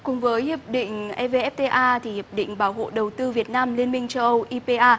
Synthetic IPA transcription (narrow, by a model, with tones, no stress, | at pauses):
kʊ˨˩ŋ͡mvəː˨˦jhi˨˩əp̚ɗḭ̈˧˨ŋ̟ʔɛ˧ve˧ʔɛ˦˥p̚t̪e˧ʔaː˧t̪ʰi˨˩hi˨˩əp̚ɗḭ̈˧˨ŋ̟ɓaː˧˩wɦo̰˧˨ɗə˨˩wt̪ɨ˧vi˨˩ət̚naː˧mli˧ənmï˧ŋ̟t͡ɕə˧wʔə˧wʔi˧pe˧ʔaː˧